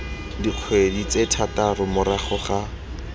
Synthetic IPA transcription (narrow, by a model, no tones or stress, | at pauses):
diq͡χʰwedit͡setʰatarʊmʊɾaχʊχa